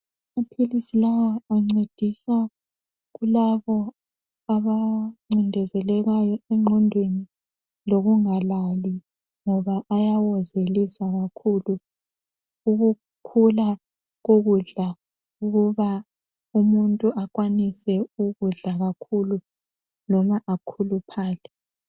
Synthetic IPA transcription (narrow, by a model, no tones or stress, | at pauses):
amapʰilisilawaaŋ͡ǀed̥ʱisa | ɣulaβɔ | aβaŋ͡ǀindʱɛzɛlɛɣajɔɛŋ͡ǃʱɔndʱweni | loɣuŋalali | ŋɔβaʔajawɔzelisaɣakʰulu | uɣu | kʰula | ɣoɣuɮa | uɣuβa | umuntʼuʔakwanisɛuɣuɮaɣakʰulu | nɔmaʔakʰulupʰaːɮɛ